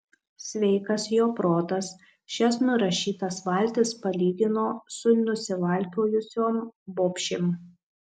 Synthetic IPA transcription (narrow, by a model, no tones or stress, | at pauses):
sʲʋʲɛɪkɐsjoːpɾoːt̪ɐs | ʃʲɛsnʊɾɐʃʲiːt̪ɐsʋɐˑlʲt̪ʲɪspɐlʲiːɡ̪ʲɪnoːsʊnʲʊsʲɪʋɐˑlʲt̪ʲoːjʊsʲoːmboːpʲʃʲem